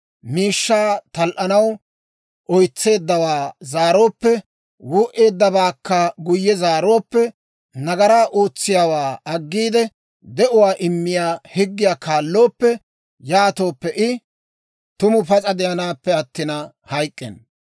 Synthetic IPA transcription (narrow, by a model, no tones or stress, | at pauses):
miːʃːaːt̪ɐlʔɐnɐw | ʔɔjt͡sːe̞ːd̪ːɐwaːzaːɾo̞ːpːɛ | wʊːʔe̞ːd̪ːɐbaːkːɐɡʊjːɛzaːɾo̞ːpːɛ | nɐɡɐɾaːʔoːt͡sːɪjaːwaːɐɡːiːd̪ɛ | d̪ɛʔʊwaːʔɪmːɪjaːhɪɡːɪjaːkʰaːlːo̞ːpːɛ | jaːt̪o̞ːpːɛʔɪ | t̪ʊmʊpɐt͡sʼɐd̪ɛjɐnaːpːɛɐt̪ːɪnɐ | hɐjkʼːɛ̰n